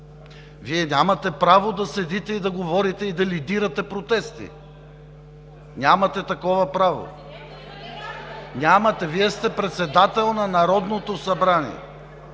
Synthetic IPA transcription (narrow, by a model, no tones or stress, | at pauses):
viɛnʲamɐt̪ɛpɾavod̪ɐsɛd̪it̪ɛid̪ɐɡovɔɾit̪ɛid̪ɐlid̪iɾɐt̪ɛpɾot̪ɛst̪ḭ | nʲamɐt̪ɛt̪ɐkɔvɐpɾavo̰ | nʲamɐt̪ɛviɛst̪ɛpɾɛt̪sɛd̪at̪ɛlˠnɐnɐɾɔd̪not̪osɐbɾanḭɛ̰